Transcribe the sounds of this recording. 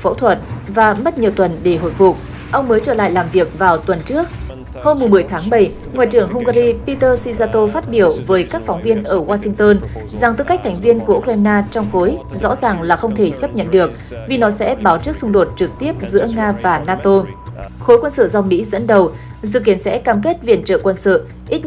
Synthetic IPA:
fə̰˧˥wt̪ʰwə˨˩t̚vaː˨˩mə˦˥t̚ɲi˨˩əwt̪wə˨˩nɗe˧˩ɦo̰˧˨jfʊ˨˩k͡p̚ | ʔə˧wŋ͡mməː˨˦jt͡ɕəː˧˩la̰ː˧˨jlaː˨˩mvi˨˩ək̚vaː˨˩wt̪wə˨˩nt͡ɕɨ˦˥ək̚ | ho˧mːʊ˨˩ŋ͡mmɨ˨˩əjt̪ʰaː˨˦ŋɓə˧˩j | ŋwa̰ː˧˨jt͡ɕɨ˧˩əŋɦʊ˧ŋ͡mɣaː˧ɾi˧pi˧t̪əː˧si˧zaː˧t̪o˧faː˦˥t̚ɓi˧˩əwvəː˨˦jkaː˦˥k̚fɔ˨˦wŋ͡mvi˧ənʔəː˧˩waː˧si˧ŋt̪əː˧n | za˨˩ŋt̪ɨ˧ka˦˥k̚t̪ʰa˨˩jŋ̟vi˧ənku˧˩əʔu˧k̚waː˧jnaː˧t͡ɕɔ˧wŋ͡mxo˨˦jzɔ̰˧˥zaː˨˩ŋlaː˨˩xə˧wŋ͡mt̪ʰe˧˩t͡ɕə˦˥p̚ɲə̰˧˨nɗɨ˨˩ək̚ | vi˨˩nɔ˨˦sɛ̰˧˥ɓaː˨˦wt͡ɕɨ˦˥ək̚sʊ˧ŋ͡mɗo˨˩t̚t͡ɕɨ˨˩k̚t̪i˦˥əp̚zɨ̰˧˥əŋaː˧vaː˨˩naː˧t̪o˧xo˨˦jkwə˧nsə̰˧˨za˧wŋ͡mmḭ˧˥zə̰˧˥nɗə˨˩w | zɨ̰˧˨ki˨˦ənsɛ̰˧˥kaː˧mke˦˥t̚vḭ˧˩ənt͡ɕə̰ː˧˨kwə˧nsə̰˧˨ | ʔi˦˥t̚

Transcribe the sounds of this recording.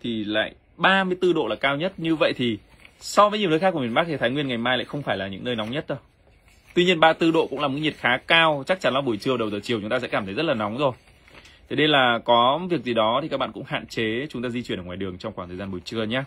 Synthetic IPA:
t̪ʰi˨˩la̰ː˧˨j | ɓaː˧mɨ˧əjt̪ɨ˧ɗo̰˧˨laː˨˩kaː˧wɲə˦˥t̚ɲɨ˧və̰˧˨jt̪ʰi˨˩ | sɔ˧vəː˨˦ɲi˨˩ənə˨˦xaː˦˥kəmi˨˩ə˩ɓa˦˥t̪ʰi˨˩t̪ʰaː˨˦ŋwənŋa˨˩jmaː˧jla̰ː˧˨jxə˧wŋ͡mfaː˧˩jlaː˨˩ɲɨ̰˧˥ŋnəː˧jna˨˦wŋ͡mɲə˦˥t̚ɗə˨˦ | t̪wi˧ɲi˧ənɓaː˧t̪ɨ˧ɗo̰˧˨ʔkʊ̰˧˥ŋ͡mlaː˨˩m̚˨˥ɲ̚˨˩xaː˨˦kaː˧wt͡ɕa˦˥k̚t͡ɕa˨˦nla˨˦ɓu˧˩əjt͡ɕɨ˧ə˧wɗə˨˩wzəː˨˩t͡ɕi˨˩əwt͡ɕʊ˨˦ŋ͡mt̪a˧ɛ̰˧˥kaː˧˩mt̪ə˨˦zə˦˥t̚laː˨˩na˨˦wŋ͡mzo˨˩j | t̪ʰe˨˦ne˧nlaː˨˩kɔ˨˦vi˨˩ək̚zi˨˩ɗɔ˨˦t̪i˨˩aː˦˥kɓa̰ː˧˨kʊ̰˧˥ŋ͡mha̰ː˧˨nt͡ɕe˨˦t͡ɕʊ˨˦ŋ͡mt̪aː˧zi˧t͡ɕwi˧˩nʔə˧˩waː˨˩jɗɨ˨˩əŋt͡ɕɔ˧ŋ͡mkwa˧˩t̪ʰə˨˩zaː˧mɓu˨˩jt͡ɕɨ˧əɲaː˧˦

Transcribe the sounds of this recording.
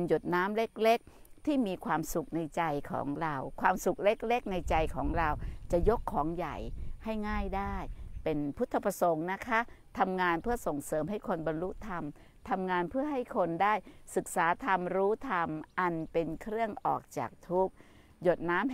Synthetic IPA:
njo˨˩t̪̚naː˦˥mle˦˥k̚le˦˥k̚t̪ʰiː˥˩miː˧kʰwaː˧msu˨˩k̚na˧jt͡ɕa˧jkʰɔ̰ː˩˦ŋɾa˧wkʰwaː˧msu˨˩k̚le˦˥k̚le˦˥k̚na˧jt͡ɕa˧jkʰɔ̰ː˩˦ŋɾa˧wt͡ɕa˨˩jo˦˥kʰːɔː˩˦ŋja̰˨˩jha˥˩jŋaː˥˩jdaː˥˩jpe˧npʰu˦˥t̪ʰːa˧pʰa˧so˩˦ŋna˦˥kʰa˦˥t̪ʰa˧mŋaː˧npʰɯ˥˩ɐso˨˩ŋsɤː˩˦mɦa˥˩jkʰo˧nba˧nlu˦˥t̪ʰa˧m | t̪ʰa˧mŋaː˧npʰɯ˥˩ɐɦa˥˩jkʰo˧ndaː˥˩jsɯ˨˩k̚saː˩˦t̪ʰa˧mɾuː˦˥t̪ʰa˧mʔa˧npe˧nkʰɾɯ˥˩əŋʔɔ̰ː˨˩k̚t͡ɕa̰ː˨˩k̚t̪ʰu˦˥k̚ | jo˨˩t̪̚naː˦˥m

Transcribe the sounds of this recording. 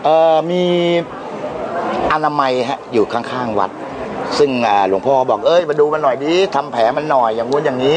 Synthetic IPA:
ʔɤː˨˩miː˧ | ʔa˧naː˧ma˧jɦɛ˦˥ʔjuː˨˩kʰa˥˩ŋkʰaː˥˩ŋwa̰˨˩t̪̚ | sɯ˥˩ŋʔaː˨˩lu˩˦əŋpʰɔː˥˧kbɔː˨˩k̚ʔɤː˧˥˩jma˧duː˧ma˧nːɔ˨˩jdiː˧t̪ʰa˧mpʰɛː˩˦ma˧nːɔ˨˩jːaː˨˩ŋːu˧˥njaː˨˩ŋiː˦˥

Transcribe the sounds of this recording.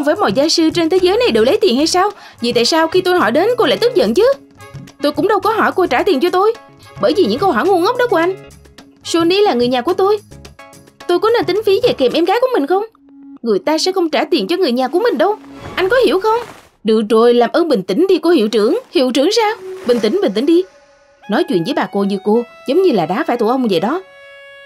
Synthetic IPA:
ŋ͡mvəː˨˦jmɔ̰˧˨jzaː˧jsɨ˧t͡ɕe˧nt̪ʰe˨˦zəː˨˦jna˨˩jɗə̰ː˨˩wlə˨˦jt̪i˨˩ənha˧jsaː˧wvḭ˧˩t̪a̰ː˧˨jsaː˧wxi˧t̪o˧jɦɔ˧˩jɗe˨˦nko˧la̰ː˧˥jt̪ɨ˦˥k̚zə̰˧˨nt͡ɕɨ˨˦˥ | t̪o˧jkʊ̰˧˥ŋ͡mɗə˧wkɔ˨˦ɦɔ˧˩jko˧jt͡ɕaː˧˩t̪i˨˩nt͡ɕɔ˧t̪o˧j | ɓəː˧˩jvi˨˩ɲɨ̰˧˥ŋkə˧whɔ˧˩jŋu˧ənŋə˦˥k͡p̚ɗɔ˨˦kəʔa˧ŋ̟ | so˧ni˧laː˨˩ŋɨ˨˩əɲaː˨˩ku˧˩ət̪o˧j | t̪o˧jkɔ˨˦ne˧nt̪ï˨˦ŋ̟fi˨˦ve˨˩kɛ˨˩mʔɛ˧mɣaː˨˦jku˧˩əmï˨˩ŋ̟xə˧wŋ͡m | ŋɨ˨˩əjt̪aː˧sɛ̰˧˥xə˧wŋ͡mt͡ɕaː˧˩t̪i˨˩ənt͡ɕɔ˧ŋɨ˨˩əjɲaː˨˩ku˧˩əmï˨˩ŋ̟ɗə˧wʔa˧jŋ̟kɔ˨˦hi˧˩əwxə˧wŋ͡m | ɗɨ˧˨k̚zo˨˩jlaː˨˩mʔəː˧nɓï˨˩ŋ̟t̪ï˧˩˦ŋ̟ɗi˧ku˧˩hḭ˧˨wt͡ɕɨ˧˩əŋhḭ˧˨wt͡ɕɨ˧˩əŋsaː˧wɓï˨˩ŋ̟t̪ï˧˩ŋ̟ɓï˨˩ï˧˦ŋ̟ɗi˧ | nɔ˨˦jt͡ɕwḭ˧˨nvəː˨˦jɓaː˨˩ko˧ɲɨ˧ko˧zə˨˦wŋ͡mɲɨ˧laː˨˩ɗaː˨˦faː˧˩jt̪u˧˩ʔə˧wŋ͡mve˨˩ɗɔ˨˦

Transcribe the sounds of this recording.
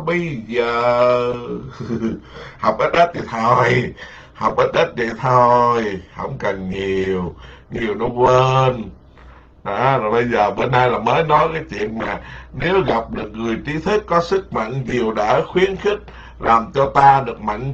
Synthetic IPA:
ɓə˧jzəː˨˩ | ha˨˩wk͡p̚ʔə˦˥t̚ɗə˦˥t̚t̪ʰi˨˩t̪ʰo˧˩j | ha˨˩wk͡p̚ʔəː˦˥t̚ɗə˦˥t̚zḭ˧˨t̪ʰo˧jhə̰˧˥wŋ͡mkə˨˩nɲi˨˩əwɲi˨˩əwnɔ˨˦kwəəː˧n | ɗɔ˨˦laː˨˩ɓə˧jzəː˨˩ɓe˧nːa˧jlaː˨˩məː˨˦jnɔ˨˦jkaː˨˦jt͡ɕwḭ˧˨ənmaː˨˩ne˨˦wɣa˨˩p̚ɗɨ˨˩ək̚ŋɨ˨˩əjt͡ɕi˨˦t̪ʰɨ˦˥kːɔ˨˦sɨ˦˥k̚ma̰˧˨ŋɲi˨˩əwɗa̰ː˧˥xwi˨˦ənxi˦˥t̚ | laː˨˩mt͡ɕɔ˧t̪aː˧ɗɨ˨˩ək̚ma̰˧˨ŋ

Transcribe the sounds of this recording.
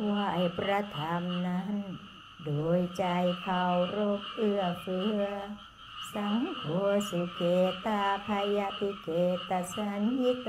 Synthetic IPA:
wa˧ʔa˨˩jpɾa˧t̪ʰaː˨˧˦mna˧˥n | doː˨jt͡ɕa˧jkʰa˧˩wɾo˧k̚ʔɯ˧ɐfɯ˧ɐ | sa˧˦ŋkʰu˨˧˦əsi˧˩keː˨t̪a˧pʰa˧ja˧t̪ʰi˧keː˨˩t̪ːa˧sa˧nhi˦˥k̚

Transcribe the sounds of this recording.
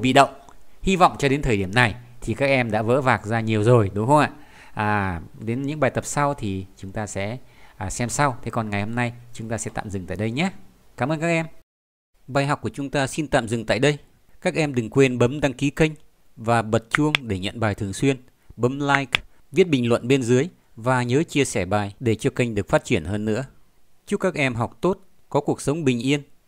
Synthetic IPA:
ɓḭ˧˨ɗə̰˧˨wŋ͡m | hi˧vɔ̰˧˨wŋ͡mt͡ɕɔ˧ɗe˨˦nt̪ʰəː˨˩jɗi˧˩əmna˨˩jt̪ʰi˨˩kaː˦˥k̚ʔɛ˧mɗa̰ː˧˥və̰ː˧˥vaː˨˩k̚zaː˧ɲi˨˩əwzo˨˩jɗʊ˨˦ŋ͡mxə˧wŋ͡mʔa̰ː˧˨ | ʔaː˨˩ɗe˨˦nɲɨ̰˧˥ŋɓaː˨˩jt̪ə˨˩p̚sa˧wt̪ʰi˨˩t͡ɕʊ˨˦ŋ͡mt̪aː˧sɛ̰˧˥˨sɛ˧msa˧wt̪ʰe˨˦kɔ˨˩nŋa˨˩jho˧mna˧jt͡ɕʊ˨˦ŋ͡mt̪aː˧sɛ̰˧˥t̪a̰ː˧˨mzɨ˨˩ŋt̪a̰ː˧˨jɗə˧jɲaː˨˦ | kaː˨˦məː˧nkaː˦˥k̚ʔɛ˧m | ɓaː˨˩jɦɔ˨˩wk͡p̚ku˧˩ət͡ɕʊ˨˦ŋ͡mt̪aː˧si˧nt̪a̰ː˧˨mzɨ˨˩ŋt̪a̰ː˧˨jɗə˧j | kaː˦˥k̚ʔɛ˧mɗɨ˨˩ŋkwe˧nɓə˨˦mɗa˧ŋki˨˦kə˧jŋ̟ | vaː˨˩ɓə˨˩t̚t͡ɕu˧əŋɗe˧˩ɲə̰˧˨nɓaː˨˩jt̪ʰɨ˨˩əŋswi˧ən | ɓə˨˦mlaː˧jk | vi˦˥ət̚ɓï˨˩ŋ̟lwə̰˧˨nɓe˧nzɨ˨˦əj | vaː˨˩ɲəː˨˦t͡ɕi˧əsɛ˧˩ɓaː˨˩jɗe˧˩t͡ɕɔ˧kə˧jŋ̟ɗɨ˨˩ək̚faː˦˥t̚t͡ɕi˧˩ənhəː˧nːɨ̰˧˥ə | t͡ɕʊ˦˥k͡p̚kːaː˦˥k̚ʔɛ˧mɦɔ˨˩k͡p̚t̪o˦˥t̚ | kɔ˨˦ku˨˩ək̚sə˨˦wŋ͡mɓï˨˩ŋ̟ʔi˧ən

